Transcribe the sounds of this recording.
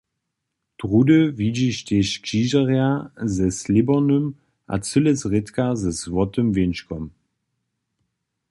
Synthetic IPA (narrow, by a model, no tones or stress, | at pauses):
d̥ʁudəvid͡ʑiʃteʃkʒ̥iːʒaʁjazɛslibɔnəm | ʔa̰t͡səlɛsʁɪtkazɛzvɔtəmvɪnʃkɔm